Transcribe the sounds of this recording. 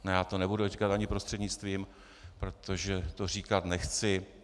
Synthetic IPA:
nɛjaːt̪onɛbudurikat̪aɲɪpɾost̪r̥ɛdɲɪt͡st̪viːm | pɾo̞t̪o̞ʒɛt̪or̝iːkat̪nɛxt͡sɪ

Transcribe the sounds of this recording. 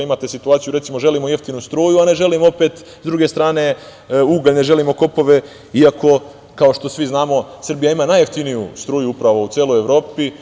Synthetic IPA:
imat̪e̞sit̪uaːt̪sijuɾet̪simoʒe̞limoje̞ft̪inust̪ɾuːjuane̞ʒe̞limo̞pe̞t̪ | zd̪ɾuɡe̞st̪ɾaːne̞ | uɡaʎne̞ʒe̞limo̞ko̞po̞ʋe̞ | iako̞ | kao̞ʃt̪o̞sʋiznaːmo̞sr̩bijaimaːnaːje̞ft̪inijust̪ɾuːjuupɾaʋout̪jeːlˠo̞jeʋɾo̞ːpi

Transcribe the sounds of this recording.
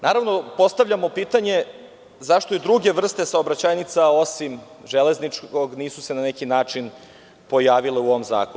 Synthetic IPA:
naːɾaʋno̞po̞st̪aʋʎamo̞piːt̪aɲe̞ | zaʃt̪o̞id̪ɾuɡe̞ʋr̩st̪e̞saobɾat͡ɕajnit̪sao̞sim | ʒele̞znit͡ʂko̞ɡniːsu̥se̞nanekinaːt͡ʂin | po̞jaːʋileuoʋomza̰ːkonu

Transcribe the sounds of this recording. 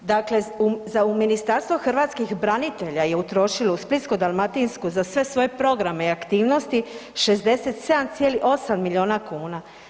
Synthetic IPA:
d̪akle̞uzauminist̪aɾst̪ʋoxr̩ʋat̪skixbɾanit̪e̞ʎaje̞ut̪ɾo̞ʃilousplit̪skod̪almat̪inskuzasʋe̞sʋo̞jepɾo̞ɡɾame̞iakt̪iːʋno̞st̪iʃe̞zd̪e̞se̞t̪se̞d̪amt̪sijeːliʔo̞samːiʎʲio̞ːnakuːna

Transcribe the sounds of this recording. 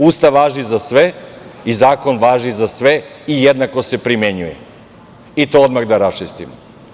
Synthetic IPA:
ust̪aʋaːʒizasʋeizaːko̞nʋaːʒizasʋe̞ | ijed̪nako̞se̞pɾimeɲujḛ | it̪o̞od̪maɣd̪aɾast͡ʃist̪imo

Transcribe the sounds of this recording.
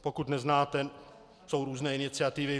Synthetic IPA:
pokut̪nɛznaːt̪ɛ | so̞wɾuːznɛːɪnɪt͡sɪat̪ɪvɪ

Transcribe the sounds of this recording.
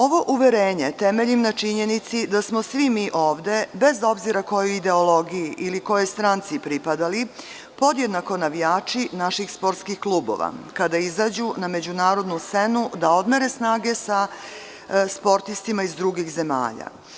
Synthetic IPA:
o̞ʋo̞ʔuʋeɾeːɲe̞t̪e̞me̞ʎimnat͡ʃiɲe̞nit̪sid̪asmo̞sʋimiːʔo̞ːʋd̪e̞be̞zo̞bziɾako̞juid̪e̞olˠo̞ɡijiʔiliko̞jest̪ɾant̪sipɾipad̪ali | po̞d̪jed̪nako̞naʋijaːt͡ʃinaʃixspo̞ɾt̪skixklˠuːbo̞̰ʋa̰kad̪aizad͡ʑuname̞d͡ʑunaːɾo̞d̪nust̪se̞nud̪ao̞d̪meɾe̞snaːɡe̞sa | spo̞ɾt̪ist̪imaizd̪ɾuɡixze̞ma̰ːʎa̰

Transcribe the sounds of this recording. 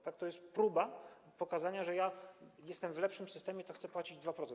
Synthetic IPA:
t̪ak̚t̪ɔjɛst̪pɾuba | pɔkazaɲaʐɛjajɛst̪ɛmvlɛpʂɘmsɘst̪ɛmʲjɛt̪ɔxt̪sɛpwat͡ɕid͡ʑd̪vapɾɔt̪ɛ

